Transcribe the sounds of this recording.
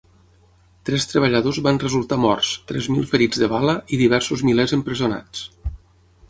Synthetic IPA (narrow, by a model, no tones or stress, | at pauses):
t̪ɾɛst̪ɾəβ̞əʎəðozβanrəzulˠt̪amɔrst̪ɾɛ̰zmilˠfəɾid͡zðəβaləʔiðiβ̞ɛɾsuzmilɛzəmpɾəziuna̰t͡s